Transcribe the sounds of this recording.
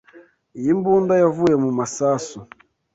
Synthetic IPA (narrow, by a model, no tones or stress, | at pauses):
jimbundajavujɛmumasasu